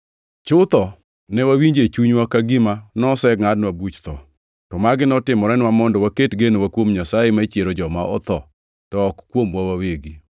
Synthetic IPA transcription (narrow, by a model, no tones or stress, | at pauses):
t͡ʃʊt̪ɔ | nɛwawiɲd͡ʒet͡ʃuɲwakaɡɪmanɔsɛɡŋadnwabut͡ʃt̪ɔ | tɔmaɡɪnɔtɪmɔɾɛnɪwamɔndɔwaketɡenowakwomɲasajemat͡ʃjeɾod͡ʒɔmaʔɔ̰t̪ɔ | tɔːkkːwomwawaweɡi